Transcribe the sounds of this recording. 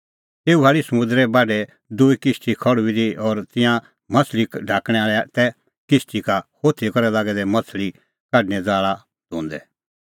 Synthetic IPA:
t̪eːuaːɭisɐmʊ̃nd̪ɾɛbaːɖɛ | d̪uikɪsʈikʰɔɽuiɾiɔːɾt̪ɪ̃jã | mɐt͡sʰlikɖʱaːkɽ̃ɛaːɭɛt̪ɛ | kɪsʈikahoːt̪ʰikɐɾɛlaːɡɛd̪ɛmɐt͡sʰli | kaɖnɛd͡zaːɭa | d̪ʱũːnd̪ɛ

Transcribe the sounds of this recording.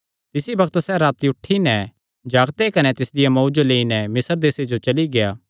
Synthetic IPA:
t̪ɪsibɐkt̪sɛɾaːt̪iʊʈʰːinɛ | d͡ʒaːɡt̪ekɐnɛt̪ɪsd̪ɪjamɔːd͡ʒoleːinɛmɪsəɾd̪eːsed͡ʒot͡ʃɐliɡejaː

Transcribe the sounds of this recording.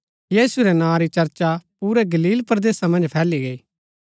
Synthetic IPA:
jiːsuɾɛnãːɾit͡ʃɐɾt͡ʃapuːɾɛɡɐliːlpɾəd̪eːsamɐ̃nd͡ʒpʰɛːliɡɐiː

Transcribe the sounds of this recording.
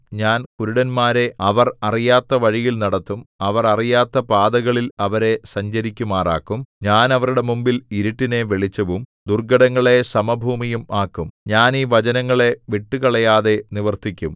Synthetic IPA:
ɲaːnkuɾuɽɐnmaːɾe̞ɐʋɐrɐrijaːt̪ːɐʋɐɻijilnɐɽɐt̪ːumɐʋɐrɐrijaːt̪ːɐpaːd̪ɐɣɐɭilɐʋɐɾe̞sɐɲd͡ʑɐɾikʲːumaːra̰ːkːumɲaːnɐʋɐɾuɽe̞mumbiliɾiʈːine̞ʋeɭit͡ɕːɐʋumd̪urɡɐɽɐŋːɐɭe̞sɐmɐbʱuːmijumaːkːumɲaːniːʋɐt͡ɕɐnɐŋːɐɭe̞ʋiʈːukɐɭɐjaːðe̞niʋɐrt̪ikʲːum

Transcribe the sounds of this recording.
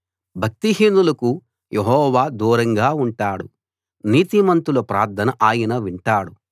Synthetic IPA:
bʱɐk̚t̪iɦinulɐku | jʔeɦɔːʋaːd̪uːɾɐŋɡaːuɳʈaːɽu | niːt̪imɐnt̪ulɐpɾa̰ːɾd̪ʰʱɐnɐʔaːjɐnɐʋiɳʈaːɽu

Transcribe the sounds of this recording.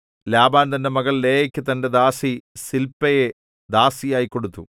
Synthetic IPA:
laːbaːnt̪ɐnːe̞mɐɣɐɭleːjɐkʲːɨt̪ɐnde̞d̪aːsisilpːɐje | d̪aːsijaːjikːo̞ɽut̪ːu

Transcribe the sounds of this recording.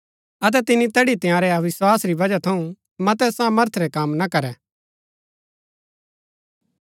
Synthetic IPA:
ɐt̪̬ɛt̪ɪnit̪ɛːɽit̪ɪjãːɾɛɐʋɪswaːsɾibɐd͡ʒat̪ʰɐũ | mɐt̪̬ɛsaːməɾt̪ʰɾɛkamnakɐɾɛ

